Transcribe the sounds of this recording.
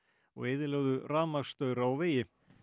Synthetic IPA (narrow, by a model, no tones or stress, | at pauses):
ɔ̰ɣɪːðɪlœɣðʏraːmḁst̪œɥɾaawvɪːjɪ